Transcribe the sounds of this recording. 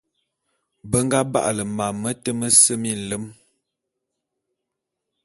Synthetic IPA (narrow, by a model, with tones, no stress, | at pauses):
bə˦ŋ˦ɡa˦ba̰˦˨ʔlə˨ma˨mə˦tə˦mə˦sə˦mi˦˨n̩˨lə˦m